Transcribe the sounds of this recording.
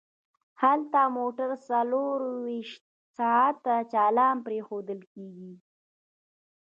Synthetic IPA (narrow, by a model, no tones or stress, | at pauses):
halt̪amoʈaɾsaloɾwiʃt̪̚ | sɑat̪ːat͡ʃɑlɑmpɾexod̪əlkeɡi